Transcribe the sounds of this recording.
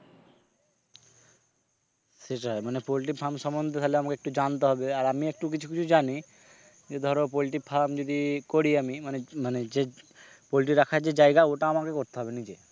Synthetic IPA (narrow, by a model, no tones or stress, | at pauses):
seʈaemanepɔliʈ̬ik̚pʰamʃɔmɔnd̪ʱet̪ʰaleamakeek̚ʈud͡ʑant̪eɦɔbeaɾamiek̚ʈuk̬it͡ʃʰu̥kit͡ɕʰud͡ʒani | d͡ʒed̪ʱɔɾop̬ɔliʈikpʰamd͡ʒod̪ikoɾiamimanemaned͡ʑe | pɔliʈ̬iɾakʰaɾd͡ʑed͡ʑajɡaoʈaamakekoɾt̪eɦɔbenid͡ʑe